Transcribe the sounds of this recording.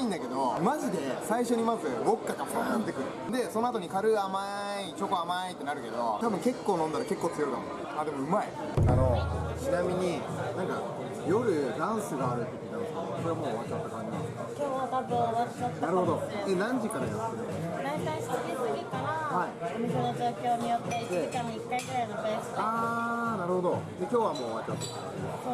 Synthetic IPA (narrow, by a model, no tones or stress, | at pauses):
ĩnd̪ake̞d̪o̞maʑid̪e̞saiɕo̞ɲ̟imazɨβo̞kːakamsonat̪t̪ːekɯ̟ɾɯd̪e̞sono̞at̪o̞ɲ̟ikaɾɯ̟ama | it͡ɕo̞koamait̪ːe̞naɾɯ̟ke̞d̪o̞t̪abɯ̟̃ŋke̞kːo̞ːnõnd̪aɾake̞kːoːt͡sɨjoik̪a̰m | aːd̪e̞mo̞ɯ̟mai | a̰no̞t͡ɕinamʲiɲ̟i | nãŋka | jo̞ɾɯ̟d̪ãɰ̃sɨɡaːɾɯ̟t̪ːekʲinat̪ookoɾeamo̞ːβat͡ɕat̪ːokaɾʲimasokʲoːβat̪abɯ̃oat͡ɕat̪ːnaɾɯho̞d̪oenãɲ̟d͡ʑikaɾajasɨɾɯ | ɾãsaĩsod̪esoikanahaiomisenod͡ʑo̞ːkʲo̞ːɲijot̪ːeid̪ekamoikːaiɡɯ̟ɾainopẽskaːnaɾɯ̟ho̞d̪o̞d̪e̞kʲo̞ːβamo̞ːβat͡ɕat̪ːoka | eo